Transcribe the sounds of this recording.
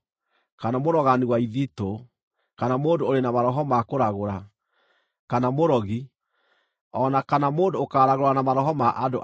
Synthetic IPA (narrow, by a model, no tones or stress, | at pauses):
kanamoɾɔɣaniwaiðito | kanamoːndoːɾenamaɾɔɦɔmakoɾaɣoɾa | kanamoɾɔɣi | ɔnakanamoːndoːkaːɾaɣoɾanamaɾɔɦɔmaʔado̰ʔ